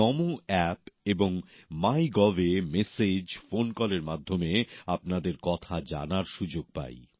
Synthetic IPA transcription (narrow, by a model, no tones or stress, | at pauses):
ɔmuɛpeboŋmajɡɔvemesed͡ʑfonkɔleɾmad̪ʱːomeap̚nad̪eɾkɔt̪ʰad͡ʑa̰naɾʃud͡ʑoɡ̚pa̰j